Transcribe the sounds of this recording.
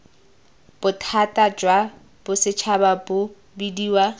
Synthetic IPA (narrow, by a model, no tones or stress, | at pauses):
b̥ʊtʰatad͡ʒwa | b̥ʊsɪt͡ʃʰababʊ | bidiːwa